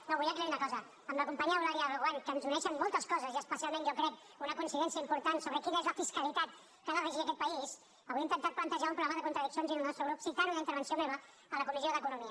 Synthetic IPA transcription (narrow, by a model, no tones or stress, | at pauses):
noβuliək̬lɛɾunɐəkɔzə | əmləkumpaɲiaulaɾjaβəɣwankənzunɛʃəmmolˠt̪əskɔzəziəspəsialˠmẽnʒɔkɾɛk | unəkunsiðɛnsiəimpuɾt̪ansoβɾəkinəezləfiskəlit̪at̪ | kələɾəʒiðəkɛt̪̚pəis | əβwint̪ənt̪at̪̚plənt̪əʒaumpɾuaməðəkunt̪ɾəðiksjonzinəlˠnɔst̪ɾəɣɾupsikaɾuðint̪əɾβ̞ənsiomeβə | ələkumizioðəkunumiə